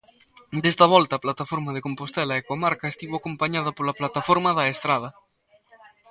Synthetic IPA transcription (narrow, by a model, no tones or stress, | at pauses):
d̪est̪ɐβ̞ɔlt̪ɐːplat̪afoɾmɐðekompost̪ɛlɐekomaɾkɐest̪iβwakompaɲað̞ɐpolɐplat̪afoɾmɐðɐest̪ɾað̞ɐ